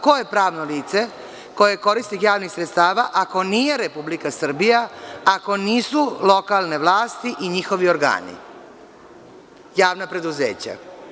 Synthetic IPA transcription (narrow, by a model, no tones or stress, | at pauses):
ko̞je̞pɾaːʋno̞liːt̪se̞ | ko̞je̞ko̞ɾist̪ixjaːʋnixsɾet̪st̪aːʋaʔako̞niːjeɾepublikasr̩bijaako̞niːsulˠo̞kalne̞ʋlaːst̪iʔiɲixo̞ʋio̞ɾɡa̰ːnḭ | jaːʋnapɾe̞d̪uzḛːt͡ɕa̰